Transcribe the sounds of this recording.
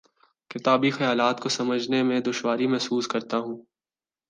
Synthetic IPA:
kɪt̪aːbixɐjaːlaːt̪kosɐməd͡ʒʱnemẽd̪ʊʃwaːɾimɛɦsuːskɐɾt̪aɦũː

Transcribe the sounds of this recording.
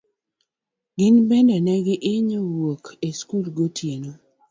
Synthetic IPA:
ɡɪnbɛndɛnɛɡɪʔɪɲowwokʰeskulɡotʰjeno

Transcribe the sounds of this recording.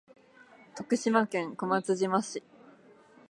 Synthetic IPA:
t̪o̞kɯ̟ɕimakẽ̞ŋko̞mat͡sɨʑimaɕi

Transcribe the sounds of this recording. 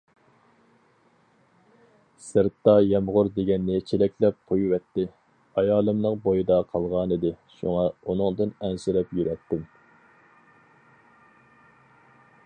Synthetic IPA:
sɨɾt̪ːɑjɛmʁʊɾd̪eɡʲɛnːɪkʲʰelɛkʲlɛp̚qʰojwɛt̪ːɪ | ɑjɑːlˠɨmnɨŋbojɨd̪ɑqʰɑlˠʁɑnɨd̪ɪʃṵŋɑunɨŋd̪ɨnɛnsɪɾɛpjyɾɛt̪ːɪm

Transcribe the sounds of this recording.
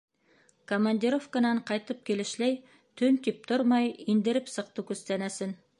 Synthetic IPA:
kʰomanʲd̪ʲiɾo̞fkanɑɴqʰɑjt̪əp̚kʲʰe̞lɪ̆ʃlej | t̪ʰɵnt̪ʲip̚t̪ʰʊɾmɑjind̪ɪ̆ɾɪpsəq̚t̪əkʰʲɵst̪ænæsɪn

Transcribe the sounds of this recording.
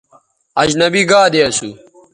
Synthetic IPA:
ɐd͡ʑnɐbiɡaːd̪eɐsu

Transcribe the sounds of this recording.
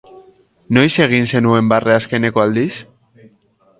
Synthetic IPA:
no̞jse̞ɣ̞inse̞nue̞mbareaske̞ne̞ko̞ald̪is

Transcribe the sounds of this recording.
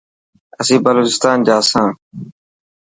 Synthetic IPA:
əsĩːbəloːt͡ʃɪst̪aːnd͡ʒaːsãː

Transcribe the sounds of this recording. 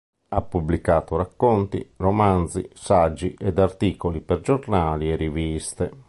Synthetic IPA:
apːublikaːt̪oɾakːont̪ḭromanzḭsad͡ʒːiʔɛd̪art̪iːkolipɛɾd͡ʒornaːliɛrivist̪ɛ

